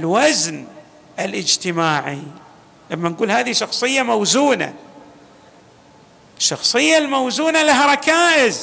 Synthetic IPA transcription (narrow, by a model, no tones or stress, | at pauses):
ʔɪlwazn | ʔɪlʔɪd͡ʒt̪ɪmaːʕi | lamːanɡuːlhaːðiʃɑxsˤɨjːamawzuːna̰ | ʃːɑxsˤɨjːalmawzuːnalaɦaɾˤɑkaːʔɪz